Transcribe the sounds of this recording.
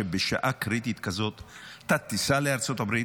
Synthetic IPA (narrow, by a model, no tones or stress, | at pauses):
ebeʃa̰ʔakɾit̪it̪kazo̞t̪ːat̪ːisaleaʁt͡so̞t̪abɾi